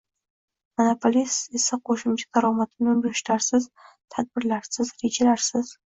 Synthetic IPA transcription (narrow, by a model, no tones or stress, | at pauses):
monopʰolisisɨqʷoʃɨmd͡ʒɪt̪aɾawmatʰɨnɨbrɨʃtʰarsɨz | tʰħad̚bɨrlarsɨzrid͡ʒɪlarsɨz̥